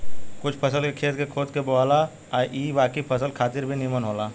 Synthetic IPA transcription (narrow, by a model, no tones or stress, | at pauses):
kʊt͡ʃʰpʰɐsəlkekʰeːt̪kekʰoːd̪keboaːla | aːʔiːʋaːkipʰəsəlkʰaːt̪ɪɾbʱinimənɦoːlaː